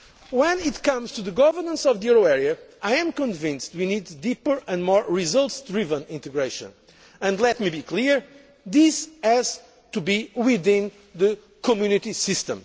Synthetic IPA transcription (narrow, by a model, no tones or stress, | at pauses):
wɛ̃nit̪kʌ̃mz̥tuðɨɡɔvə˞nə̃nsɔvðijɛɹoɛɹiɨʔajɨ̃mkə̃nvɪ̃nstwinid̪ːipə˞ɨ̃ndmɔɹɹizʌlˠtsd̪ɹivə̃nĩnt̪ɨɡɹeʃə̰̃n | ɨ̃ndlɛt̪̚mibikʰliɹ | ðisɛz̥ | t̪ubiwiðɪ̃n | ðɨ | kɔmjunit̪isɪst̪ə̰̃m